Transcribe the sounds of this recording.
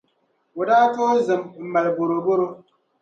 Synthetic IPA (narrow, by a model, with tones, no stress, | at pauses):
o˨daː˦to˦zɨ˨mm̩˨ma˨lbo˨ɾo˨bo˦ɾo˦